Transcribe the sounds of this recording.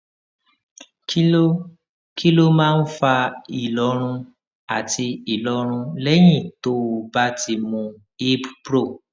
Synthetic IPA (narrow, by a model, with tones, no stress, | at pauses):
ki˦o˦ | ki˦lo˦mãː˦n̩˦fa˧i˨lɔ˨˧˦ɾ̃ũ˧ | a˨ti˧i˨lɔ˧ɾ̃ũ˧lɛ˦j̃ĩ˦˨to˦˨˧ba˦ti˧mũ˧ | e˦bpɾo˦˨